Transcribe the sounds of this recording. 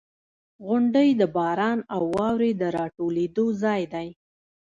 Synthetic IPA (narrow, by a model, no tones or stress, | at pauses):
ɣʊɳɖəjd̪əbɑɾɑnawːɑwɾed̪əɾɑʈoled̪ozɑjd̪aj